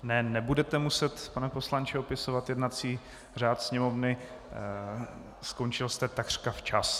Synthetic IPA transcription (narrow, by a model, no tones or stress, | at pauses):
nɛnɛbudɛt̪ɛmusɛt̪panɛpo̞slaɲt͡ʃɛopɪsovat̪jɛdnat͡siː | r̝aːt̪sɲɛmo̞vnɪ | sko̞nt͡ʃɪlst̪ɛt̪akr̥kaft͡ʃas